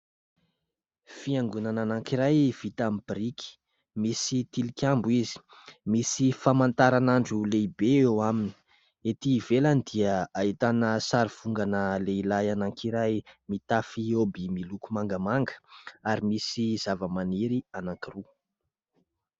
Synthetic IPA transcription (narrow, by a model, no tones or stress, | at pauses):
fiaŋɡunananaŋkiɾajv̥it̪amib̥iɾiki̥ | misit̪ilikʲambuizi̥ | misifamant̪aɾanaɳɖ͡ʐuleibeewamini̥ | et̪iːvelanid̪iəait̪anəsaɾiv̥uŋɡanəleilajanaŋkiɾajmit̪afiobimilukumaŋɡəmaŋɡə̥aɾimisizavəmaniɾianaŋkiru